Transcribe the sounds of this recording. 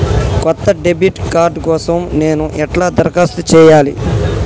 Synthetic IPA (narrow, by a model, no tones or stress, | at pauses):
kɔt̪ːɐɖebiʈkaːɾɖkɔːsɐmne̞ːnuʔɛʈlaːd̪ɐɾkaːst̪ut͡ʃɛːjaːlḭ